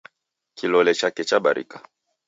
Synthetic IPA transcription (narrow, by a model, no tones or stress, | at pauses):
kilɔlɛt͡ʃakɛt͡ʃaɓa̰ɾʔḭka